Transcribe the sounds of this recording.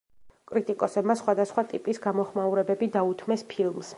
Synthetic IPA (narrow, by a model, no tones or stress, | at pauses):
kʼɾit̪ʼikʼɔsɛbmasχwad̪asχwat̪ʼipʼisɡamɔχmauɾɛbɛbid̪aut̪ʰmɛspʰilˠms